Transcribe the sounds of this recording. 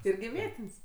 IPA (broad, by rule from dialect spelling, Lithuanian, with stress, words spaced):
ˈɪrʲɡʲɪ ˈʋʲiɛtʲɪnʲsʲ